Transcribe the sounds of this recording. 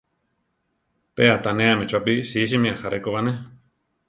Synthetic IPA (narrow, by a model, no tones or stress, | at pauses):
peat̪anẽamĩt͡ʃapisiːʃ̬imĩaxaɾʔekoβanẽ